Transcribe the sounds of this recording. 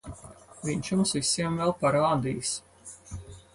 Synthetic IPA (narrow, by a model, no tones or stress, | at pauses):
viɲt͡ʃjumsvisiɛmvɛlˠpaɾaːd̪iːjs